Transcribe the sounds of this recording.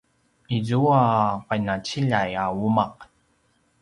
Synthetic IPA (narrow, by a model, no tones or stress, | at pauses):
izuaqajnat͡ɕiʎajaumaq